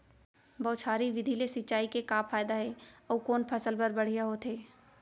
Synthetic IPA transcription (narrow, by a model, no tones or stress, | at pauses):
bɔːt̪saːɾiʋɪd̪ʱilesɪtːt͡ʃaːikekaːpʰaːjd̪aɦɛːɔːkoːnpʰɐsəlpəɾbɐɽ̤ijaɦot̪eː